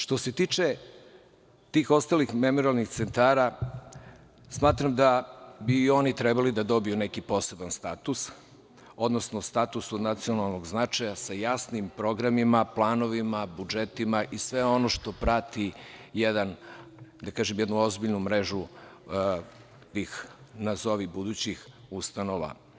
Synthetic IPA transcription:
ʃt̪o̞se̞t̪iːt͡ʃe | t̪iːxo̞st̪alixme̞moɾialˠnixt̪sent̪aːɾa | smaːt̪ɾamd̪abiːo̞nit̪ɾɛbalid̪ad̪o̞biunekipo̞ːse̞banst̪at̪us | o̞d̪nosno̞st̪at̪usod̪nat̪sio̞nalˠno̞ɡznat͡ʃajasajasnimpɾo̞ɡɾamimaplˠaːno̞ʋimabud͡ʒet̪imaʔisʋe̞o̞noʃt̪o̞pɾat̪ijed̪and̪akaːʒemjed̪nuo̞zbiʎnumɾeʒu | t̪iːxnazo̞ʋibud̪ut͡ɕixust̪ano̞ʋa̰

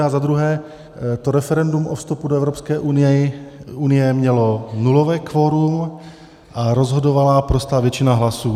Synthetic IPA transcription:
azad̪ɾuɦɛː | t̪oɾɛfɛɾɛndumʔofst̪upudoɛvɾopskɛːʔun | unɪjɛmɲɛlo̞nulovɛːkvo̞ɾum | ʔaɾo̞zɦodovalapɾost̪aːvjɛt͡ʃɪnaɦlasuː

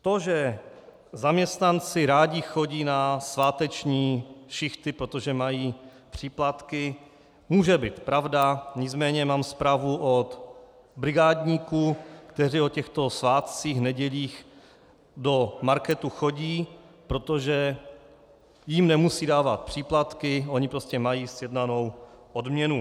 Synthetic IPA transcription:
t̪o̞ʒɛ | zamɲɛst̪nant͡sɪɾaːɟɪxo̞ɟiːnasvaːt̪ɛt͡ʃɲiːʃɪxt̪ɪpɾo̞t̪o̞ʒɛmajiː | pr̝̥iːplat̪kɪ | muːʒɛbiːt̪pɾavdaɲɪt͡smɛːɲɛmaːmspɾaːvuʔot̪ | bɾɪɡaːdɲiːkukt̪ɛr̝iːo̞cɛxt̪o̞svaːt̪t͡siːxnɛɟɛʎiːx | do̞maɾkɛt̪uxo̞ɟiː | pɾo̞t̪o̞ʒɛ | jɪmnɛmusiːdaːvat̪̚pr̝̥iːplat̪kɪʔo̞ɲɪpɾoscɛmajiːsjɛdnano̞wʔodmɲɛnu

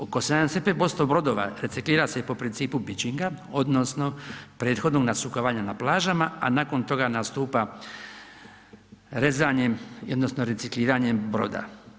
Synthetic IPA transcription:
okosenansepebost̪obɾo̞d̪oʋa̰ɾe̞t̪sikliːɾasepo̞pɾint̪siːpubit͡ɕiŋɡao̞d̪no̞sno̞pɾe̞ːt̪xo̞d̪no̞ɡnasukoʋaɲanaplˠaːʒamaa̰naːko̞nt̪o̞ɡanast̪uːpa | ɾe̞zaɲemiod̪nosnoɾe̞t̪sikliːɾaɲe̞mbɾo̞̰d̪a̰

